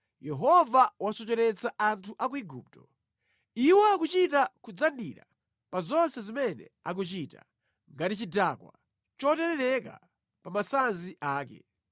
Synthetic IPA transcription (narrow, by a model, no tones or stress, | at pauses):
jɛɦɔvawasɔt͡ʃɛɾɛt͡saʔantʰuʔak̬uiɡuːp̚tɔ̥ | iwɔakut͡ʃitakud͡zandḭɾa̰ | pazɔnsɛzimɛnɛ̰a̰k̬ut͡ʃita̰ | ŋɡatit͡ʃidakwa̰ | t͡ʃɔtɛɾɛɾɛka̰ | pamasanziʔaːkɛ̰